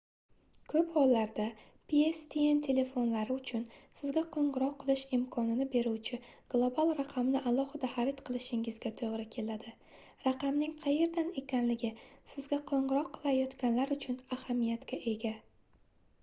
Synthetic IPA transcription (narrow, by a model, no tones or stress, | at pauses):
kʰɵphɒlːaɾd̪a | pʰiest̪ʰient̪ʰe̞le̞fo̞nlaɾɪʊt͡ʃʰʊnsɪzɡʲaqʰoɴʁɨɾɒqʰːɨlˠɪʃɪmkʰɒnɪnɪbe̞ɾuwt͡ʃʰɪɡ̥lˠobalˠɾaqʰɑmnɪʔalˠɒhɨd̪ahaɾɪt̪qʰɨlˠɪʃɪŋɪzɡʲat̪ʰoʁɾɪkʲʰe̞lad̪ɪ | ɾaqɑmnɪŋqʰɑje̞ɾd̪ane̞kʲʰanlɪɡʲɪsɪzɡʲaqʰoɴʁɨɾɒqʰːɨ̥lˠajɒt̪kʲanlaɾʊt͡ʃʰʊnahamijat̪kʲaʔe̞ɡʲa